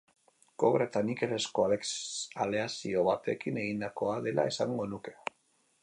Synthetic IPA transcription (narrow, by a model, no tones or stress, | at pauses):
ko̞ɣɾet̪anike̞le̞sko̞aleale̞asio̞βat̪e̞kine̞ɣind̪ako̞aðe̞lʔa̰e̞saŋɡo̞nuke̞̥